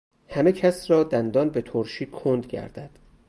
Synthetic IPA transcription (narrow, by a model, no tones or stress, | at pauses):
hæme̞cʰæsrɒːd̪ænd̪ɒːnbet̪ʰoɾʃiːkʰond̪ɡæ̰ɾd̪æd̪̥